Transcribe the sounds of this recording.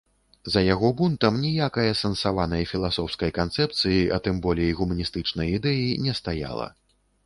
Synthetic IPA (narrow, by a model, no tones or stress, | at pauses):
zɐjaɣɔbunt̪ɐmnʲijakɐjɐsɐnsavanɐjɐfʲilˠasɔwskɐjkant̪sɛp̚t̪sɨjiʔɐ̰t̪ɨmbɔlʲɛjɣumɐnʲist̪ɨt͡ʂnɐjid̪ɛjinʲɛst̪aja̰lˠɐ̰